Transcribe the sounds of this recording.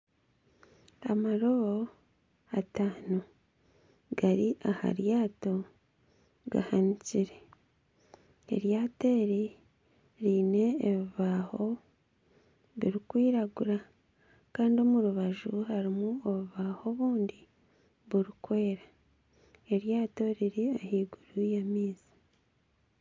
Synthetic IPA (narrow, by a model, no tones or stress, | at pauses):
amaɾo̞βo̞ | ataːno | ɡ̥aɾiʔaha̰ɾjaːto̞ | ɡa̰haniciɾe̞ | ḛɾjaːte̞ːɾi | ɾiːne̞ːβiβaːho̞ | βiɾikwiːɾaɡuɾa | kaːndio̞muɾuβaʒuɦaɾimuoβuβaho̞βuːndi | βuɾikweeɾa | e̞ɾjaːto̞ɾiɾiahiːɡuɾujamiːzi̥